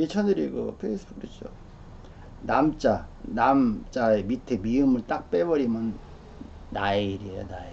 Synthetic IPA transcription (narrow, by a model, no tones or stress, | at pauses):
et͡ɕʰʌnɯɾiɡʌ̰pʰeis͈ɯb̥uket͡ɕ͈o̰ | namt͡ɕ͈anamt͡ɕ͈aemitʰemiɯmɯɭt͈ak̚p͈ebʌɾimjʌnː | aiɾionae